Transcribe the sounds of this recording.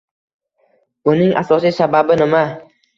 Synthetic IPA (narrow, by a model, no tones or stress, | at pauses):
ʊnɪŋʔa̰sɒsisababɪnɪma